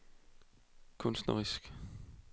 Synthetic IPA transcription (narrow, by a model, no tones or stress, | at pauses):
kʰɔ̽nsd̥nɐʁisɡ̥